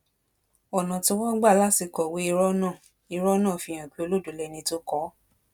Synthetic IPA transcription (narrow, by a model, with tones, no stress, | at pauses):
ɔ˨nã˨ti˧wɔ̃˦ɡ͡ba˦˨la˦˨ti˧kɔ˨we˦i˧ɾɔ˦nãː˦˨ | i˧ɾɔ˦nã˦˨fĩ˧j̃ã˨k͡pi˦o˧lo˦˨du˨lɛ˧nĩ˧to˦kɔ˦